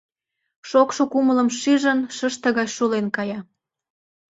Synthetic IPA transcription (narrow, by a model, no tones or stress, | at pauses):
ʃokʃokumələ̆mʃiʒənʃəʃt̪ə̆ɣɑjʃulenkɑjɑ